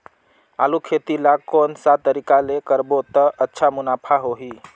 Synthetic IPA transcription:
a̰lukʰet̪ilakonsat̪ːəɾikalekəɾbot̪əʔətːʃʰamunapʰaɦoɦi

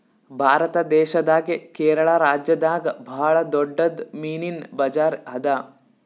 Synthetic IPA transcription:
bʱaːɾɐt̪ɐd̪ɛːʃɐd̪aːɡekeːɾɐɭɐɾaːd͡ʒjɐd̪aːɡbʱaːɭɐd̪ɔɖːɐd̪miːninbɐd͡ʒaːɾɦɐd̪aː

